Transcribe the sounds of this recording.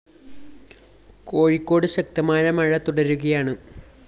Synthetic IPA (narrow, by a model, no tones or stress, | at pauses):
ko̞ːɻikːo̞ːɽɨɕɐk̚t̪ɐmaːjɐmɐɻɐt̪uɽɐɾuɣɐjaːɳɨ